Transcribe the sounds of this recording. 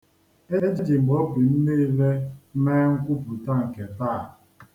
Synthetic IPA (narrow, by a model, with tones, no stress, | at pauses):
e˦d͡ʒe˦d͡ʒi˨ŋ͡m̩˨ɡ͡bɔ˦bi˨m̩˦ne˦le˦meː˦ŋ̩˦kʷu˦pu˨ta˦˨ŋ̩˨ke˨taː˦˨